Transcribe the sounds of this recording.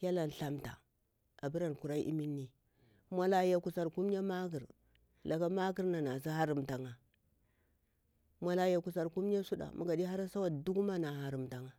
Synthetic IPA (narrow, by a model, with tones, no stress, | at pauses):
ja˦la˨n˨ɬa˦mta̰˨ | a˨bi˦ɾa˨n˨ku˨ɾa˦ʔḭ˦mi˦nːi˨ | mʷa˨la˨˦ja˨ku˨sa˨ɾku˦m˦a˦ma˦ɡi˨ɾ | la˨ɡa˦ma˦ɡi˦ɾna˨na˨zi˦ɦa˦ɾi˨mta˨ŋa˨ | mʷa˨la˨ja˨ku˨sa˨ɾku˦m˦a˦su˦ɗa̰˨mʔṵ˨ɡa˨di˦ɦa˦ɾa˦sa˦wa˨du˦ɡma˦na˨ɦa˨ɾi˨mta˨ŋa˨